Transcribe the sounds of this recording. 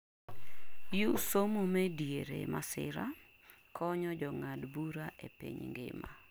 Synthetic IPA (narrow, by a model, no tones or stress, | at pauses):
jusomomɛdjeɾḛmasɪ̰ɾa | kʰɔɲɔd͡ʒɔŋadbuɾaʔepḭɲŋɡɪ̰ma